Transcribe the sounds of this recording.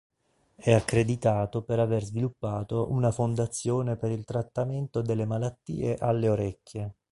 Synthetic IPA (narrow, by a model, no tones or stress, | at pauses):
ɛakːɾed̪it̪aːt̪opeɾaverzvilupːaːt̪oʔunafond̪at̪sːjoːnepeɾilt̪ɾat̪ːament̪od̪elːemalat̪ːḭːeʔalːeoɾɛkːje